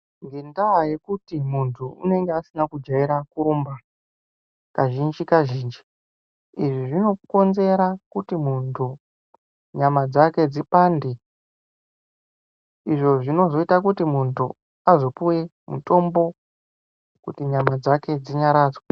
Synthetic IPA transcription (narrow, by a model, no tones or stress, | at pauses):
ŋɡendawaje̞kutimuntʰuṵne̞ŋɡeasinakud͡ʒaiɾakuɾumba | kaʒind͡ʒikaʒiːnd͡ʒi | iʐiʐino̞ko̞nze̞ɾakutimuntʰu | ɲamad͡zake̞d͡zipaːnde | iʐo̞ʐino̞zo̞itakutimuntʰu | azo̞puwe̞ | mṵto̞mbo̞ | kutiɲamad͡zake̞d͡ziɲaɾaːd͡zwa